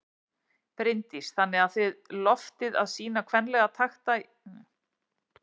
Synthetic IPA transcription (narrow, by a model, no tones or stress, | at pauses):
pɾɪjnt̪isθanːɪɣaðθʏɥðlɔft̪ɪða̰ðsiːnakʰvɛnlɛɣat̪ʰaxt̪a